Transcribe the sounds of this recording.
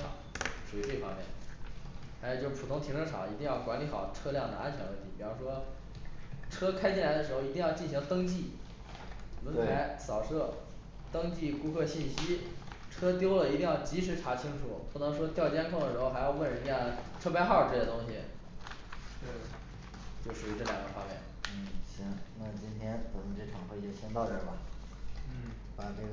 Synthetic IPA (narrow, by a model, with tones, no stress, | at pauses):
ʂʰɑ̰˨˩˦ʂu˨˩˧ʈ͡ʂe˥˩fɑ̰˥ŋmjɛ̰˥˩n | xʂo˨˧˩t͡ɕo˥˧ʊʂɻ̩˥˩pʰu˨˩t̪ʰʊ˥ŋt̪ʰi˧˥ŋʈ͡ʂʰə˧˥ŋʈ͡ʂʰɑ̰˨˩˦i˧˥i˥˧ŋjɑ˥˩ʊkwa˧˥nli˧˥xɑ˨˩ʊʈ͡ʂʰɤ˥ljɑ˥˩ŋna̰˧˥nt͡ɕʰjnwə˥˩nt̪ʰi˧˥˩pi˨˩u˧˥ʂwɔ˥ | ʈ͡ʂʰɤ˥kʰa˥ɪt͡ɕi˥˩nla˧˥ɪd̪ə˧ʂɻ̩˧˥xo˧ʊi˧˥t̪i˥˧jɑ˥˧t͡ɕi˥˩nɕi˧˥ŋt̪ɤ˥ŋt͡ɕi˥˩ | wə˧˥a˧˥ɪsɑ˨˩ʊʂɤ˥˩ | t̪ɤ˥ŋt͡ɕi˥˩ku˥kʰɤ˥˧ɕi˥˩nɕi˥ʈ͡ʂʰɤ˥t̪jo˥ʊlə˨i˧˥i˥˧jɑ˥˩ʊt͡ɕi˧˥ʂɻ̩˧˥ʈ͡ʂʰa˧˥t͡ɕʰi˥ŋʈ͡ʂʰṵ˨˩˦pu˥˩nɤ˧˥ŋʂ̬wɔ˥t̪jɑ˥˩ʊt͡ɕjɛ˥nkʰŋd̪ə˩ʂɻxo˧xjɑ˥˧ʊwə˥˩nɻə˧˥ja˥˩ʈ͡ʂʰɤ˥pa˥xɑ˥˩ʊʈ͡ʂɤ˥˩ɛ˥˩t̪ʊ˥ŋɕḭ˨˩ | t̪e˥˩ | t͡ɕjo˥˩ʊʂu˨˩y˧˥ʈ͡ʂɤ˥˩ljɑ̰˨˩ŋɡə̰˦fwa˥mjɛ̰˥˩nn̩˥˩ɕi˥ŋna˥˩t͡ɕi˥nt̪ʰjɛ˥nkʰə˨˩nə˧˥ʈ͡ʂe˥˩ɑ˨˩ŋxwe˥˩ɛ˥˩ɕjɛ˥nt̪ɑ˥˧ʊʈ͡ʂə˥˩bɐ˨˩ | n̩˥˩ | pa˨˩ʈ͡ʂɤ˥˩ɡ